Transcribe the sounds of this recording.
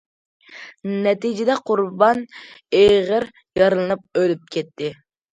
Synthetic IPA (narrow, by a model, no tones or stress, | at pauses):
nɛt̪id͡ʒɪd̪ɛqʰʊɾbɑneʁəɾ | jɑɾɨlˠɨnɨp̚ølyp̚kʲʰɛt̪ʰːɪ